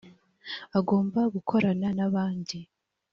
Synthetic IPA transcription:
aɡo̞ːmbaɡukʰo̞ɾananaβaːndi

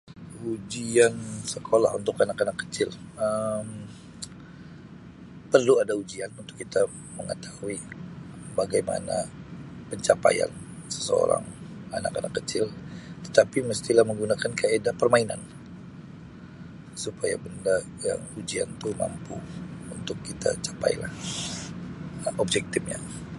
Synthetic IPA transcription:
ud͡ʒiansəkʰola̰ɦunt̪ʊkanakanakːə̥t͡ʃɪləm | pərluadaud͡ʒianunt̪ʊ̥kːit̪a | məŋət̪ahui | baɡajma̰na̰pəɲt͡ʃapa̰ja̰nsə̥səo̰ɾa̰ŋanakanakːət͡ʃɪlt̪ə̥t̪apiməst̪ilahməŋɡunakankaedapərmaina̰n | supaja̰bənda | ja̰ŋud͡ʒiant̪uma̰mpuunt̪ʊkːit̪ʰa̰t͡ʃḁpa̰jla̰h | ʔɔbd͡ʒɛk̚t̪ɪfɲa̰

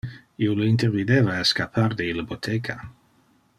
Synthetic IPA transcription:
ioləint̪ervid̪evaeskapʰard̪eiləbot̪ʰekʰa

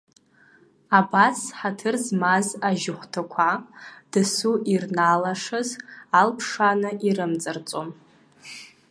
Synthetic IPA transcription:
abasħatʰɨrzmazaʒɪχʷtʰakʷʰad̥ɨsuʔirnalaʂɨzalpʰʂanɨʔiɾɨmt͡sʼɨrt͡sʼom

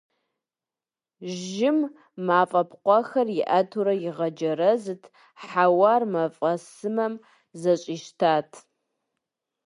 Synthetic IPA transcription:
ʒɪmː | aːfʼɐpqʷɔxɐrjɪʔɐtʰuɾɐjɪʁɐd͡ʒɐɾɐzɨtʰ | ħawaːrmɐfʼɐsɨmɐm | zɐɕʼiːʃtʰaːtʰ

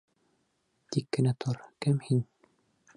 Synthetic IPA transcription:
t̪ikːɘ̆næt̪ʰoɾkɘmhin

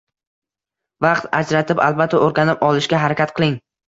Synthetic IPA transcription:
vɑqt̪a̰d͡ʒɾat̪ʰɪpa̰lˠbat̪ʰːaoɾɡʲanɪpɒlˠɪʃkʲaɦaɾakʲat̪̚qʰɨlˠɪŋ

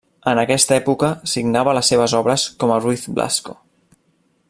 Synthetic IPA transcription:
ənəkɛst̪əɛpukəsiɡnaβələsːeβ̞əzɔβɾəskɔməriθbla̰sko̰

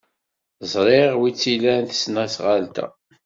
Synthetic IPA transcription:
zˤɾˤeʁwit͡sːilænθə̥snæsʁalt̪æ̰

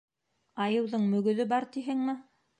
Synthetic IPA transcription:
ɑjɤ̆wðɤɴmɵ̆ɡɵ̆ðɵbɑɾt̪iɦɘŋmɘ

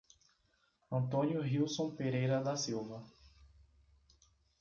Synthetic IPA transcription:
ɐ̃nt̪õnjʊɦiwsõw̃peɾejɾɐd̪ɐsiwvɐ

